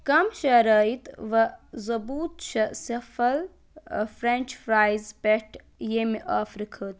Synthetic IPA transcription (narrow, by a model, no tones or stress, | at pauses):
kɐmʃɐɾɐːit̪ʋɐzɐbuːt̪ʃɐsɐfɐl | fɾenʲt͡ʃfɾaːjzpeʈʰ | jemiʔaːfɾɨkʰɨːt̪